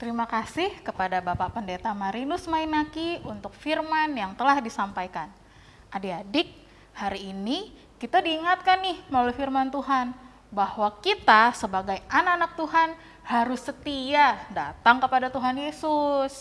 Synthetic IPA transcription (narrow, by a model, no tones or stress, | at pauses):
t̪əɾimakasɪhkəpadabapaʔpəndet̪amaɾinusmainakiunt̪ʊk̚firmanjaŋt̪əlahdisampajkan | ʔadiadɪk̚ | haɾiːni | kːit̪adiːŋat̪̚kanːɪhməlalujfirmant̪uɦan | bahwakit̪asəbaɡajanakanak̚t̪uɦan | haɾʊsːət̪iadat̪aŋkəpadat̪uɦanjesʊs